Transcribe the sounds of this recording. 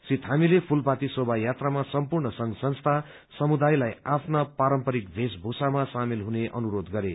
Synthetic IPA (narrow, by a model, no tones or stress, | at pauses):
sit̪ɦamilepʰulpat̪isobajat̪ramasʌmpurɳʌsʌŋɡsʌnst̪ʰa | sʌmud̪ajlajapʰnapaɾʌmpʌɾik̚bʱesbʱusamasamilɦuneʔʌ̰nuɾod̪ɡʌɾe